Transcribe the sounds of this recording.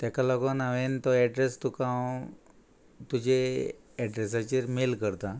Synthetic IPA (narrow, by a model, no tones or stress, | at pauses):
t̪jakalɔɡonaʋent̪ɔɛɖɾest̪ukãw | t̪ud͡ʑe | ɛɖɾesat͡ɕeɾmelkəɾt̪a